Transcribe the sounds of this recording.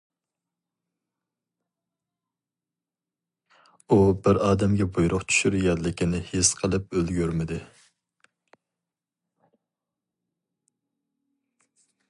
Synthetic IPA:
ubɪɾɑːd̪ɛmɡʲɛbujɾʔʊqt͡ʃʰy̥ʃyɾjɛd̪lɪkʲʰinɪhesqʰəlˠɨp̚ølɡʲyɾmɪd̪ɪ

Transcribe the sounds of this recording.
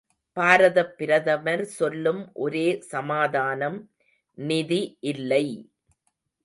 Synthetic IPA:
paːɾɐðɐpːɪɾɐðɐʋɐɾsɔlːɯmʔɔɾeːsɐmaːðaːnɐm | nɪðiʔɪlːɐɪ

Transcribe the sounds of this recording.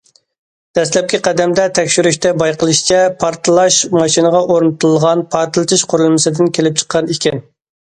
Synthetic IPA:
d̪̥ɛslɛp̚kʲiqæd̪ɛmd̪ɛt̪ʰɛkʲʃyɾyʃt̪ʰɛbɑjqəlˠɨʃt͡ʃʰɛpʰɑɾt̪lˠɑʃmɑʃinəʁɑʔoɾnɨt̪ʰɨlˠʁɑnpʰɑɾt̪ʰɨlˠt̪ʰɨʃqʰoɾulˠmɨsɨd̪ɪnkʲʰelɪp̚t͡ʃʰə̥qʰːɑnikʲɛn

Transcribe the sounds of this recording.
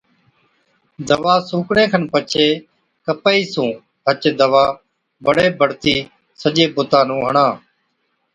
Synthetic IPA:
d̪əʋaːsũːkɳẽːkʰənpət͡ʃʰeː | kəpaːiːsũː | ɦət͡ʃːd̪əʋaː | bəɽeːbʱəɽt̪iː | səʄeːbʊt̪aːnũːɦəɳãː

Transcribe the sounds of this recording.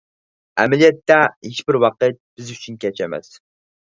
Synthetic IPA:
æmɪlijɛt̪ːɛheʃbɪɾwɑqət̪̚b̥ɪzyt͡ʃʰynkʲʰɛt͡ʃɛmɛ̰s

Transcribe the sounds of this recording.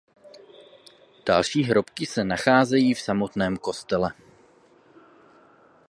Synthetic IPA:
d̥a̰lʃiːɦɾo̞pkɪsɛnaxaːzɛjiːfsamo̞t̪nɛːmko̞st̪ɛlɛ

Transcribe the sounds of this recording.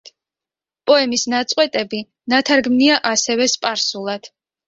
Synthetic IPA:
pʼɔɛmisnat̪sʼqʼwɛt̪ʼɛbi | nat̪ʰaɾɡmniaʔasɛvɛspʼaɾsulˠad̪̥

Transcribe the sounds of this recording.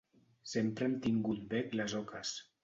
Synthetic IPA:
sempɾemt̪iŋɡut̪̚bɛkləzɔkʰəs

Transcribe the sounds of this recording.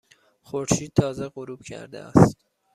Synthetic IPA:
xoɾʃiːd̪̚t̪ʰɒːzeɣoɾuːb̥cʲʰæ̰ɾd̪ḛæ̰st̪

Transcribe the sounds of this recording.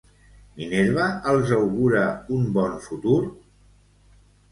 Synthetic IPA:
mineɾβaəlˠzawɣuɾaumbɔnfut̪uɾ

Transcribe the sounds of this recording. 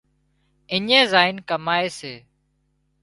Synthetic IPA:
ɪɲẽːzaːɪnkəmaːeːseː

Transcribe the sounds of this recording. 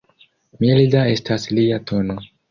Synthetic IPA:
milidae̞stasliatʰo̞no̞

